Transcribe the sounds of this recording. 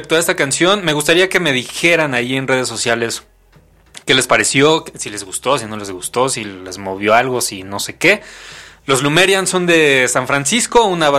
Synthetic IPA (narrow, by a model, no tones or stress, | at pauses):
p̚t̪oe̞st̪akansjo̞nme̞ɣust̪aɾiake̞me̞ð̞ixe̞ɾanajie̞nre̞ð̞e̞s̬ːosjale̞s | ke̞le̞spaɾesjo̞sile̞zɣust̪o̞sino̞le̞zɣust̪o̞sile̞zmo̞β̞jo̞alɣo̞sino̞se̞ke̞lo̞zlume̞ɾjanso̞nd̪e̞saɱfɾansisko̞unaβ